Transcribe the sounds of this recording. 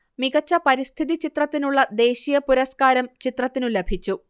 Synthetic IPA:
miɡɐt͡ɕːɐpɐɾist̪ʰiðit͡ɕit̪rɐt̪ːinuɭːɐd̪e̞ːɕijɐpuɾɐskaːɾɐmt͡ɕit̪rɐt̪ːinulebʱit͡ɕːu

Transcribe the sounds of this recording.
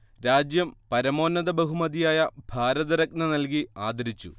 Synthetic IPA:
ɾaːd͡ʑjɐmpɐɾɐmo̞ːnːɐðɐbɐɦumɐðijaːjɐbʱaːɾɐðɐɾɐk̚nɐnɐlk̬iaːd̪ɐɾit͡ɕːṵ

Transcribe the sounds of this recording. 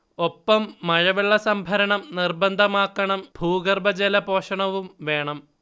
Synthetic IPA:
opːɐmːɐɻɐʋiɭːɐsɐmbʱɐɾɐɳɐmnirbɐnd̪ʱɐmaːkːɐɳɐmbʱuːɡɐrbɐd͡ʑelɐpo̞ːʂɐɳɐʋumʋe̞ːɳɐm

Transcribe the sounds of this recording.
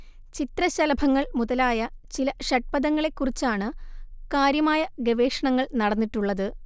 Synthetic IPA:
t͡ɕit̪rɐɕɐlɐbʱɐŋːɐɭmuðɐlaːjɐt͡ɕilɐʂɐʈ̚pɐðɐŋːɐɭe̞kːurit͡ɕːaːɳɨkaːɾjɐmaːjɐɡeʋe̞ːʂɐɳɐŋːɐɭnɐɽɐnːiʈːuɭːɐðɨ

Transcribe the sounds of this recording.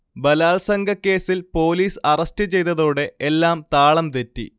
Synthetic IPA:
bɐlaːlsɐŋɡɐkːe̞ːsilpo̞ːliːsɐrɐstɨt͡ɕe̞jt̪ɐðo̞ːɽe̞elːaːmt̪aːɭɐmt̪etːḭ

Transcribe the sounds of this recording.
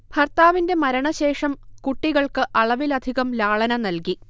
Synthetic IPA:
bʱɐrt̪aːʋinde̞mɐɾɐɳɐɕe̞ːʂɐmkuʈːiɣɐɭkɨʔɐɭɐʋilɐd̪ʱiɣɐmlaːɭɐnɐnɐlki

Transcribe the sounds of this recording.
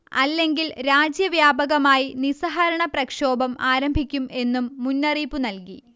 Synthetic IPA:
ɐ̰lːe̞ŋɡilɾaːd͡ʑjɐʋjaːbɐɣɐmaːjinisɐɦɐɾɐɳɐprɐkʂoːbɐmaːɾɐmbʱikʲːume̞nːumːunːɐriːpːunɐlkḭ

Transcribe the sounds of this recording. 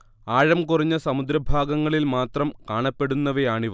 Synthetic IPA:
aːɻɐmkurɐɲːɐsɐmud̪ɾɐbʱaːɡɐŋːɐɭilmaːt̪rɐmkaːɳɐpːe̞ɽunːɐʋejaːɳiʋ

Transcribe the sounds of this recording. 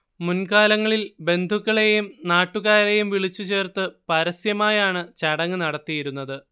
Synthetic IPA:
munkaːlɐŋːɐɭilbe̞nd̪ʱukːɐɭe̞jumnaːʈːuɣaːɾe̞jumʋiɭit͡ɕːut͡ɕe̞ːrt̪ɨpɐɾɐsjɐmaːjaːɳɨt͡ɕɐɽɐŋːɨnɐɽɐt̪ːijiɾunːɐðɨ

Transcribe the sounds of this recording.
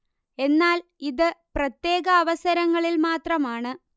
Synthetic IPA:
e̞nːaːliðɨprɐt̪je̞ːɣɐːʋɐsɐɾɐŋːɐɭilmaːt̪rɐmaːɳɨ

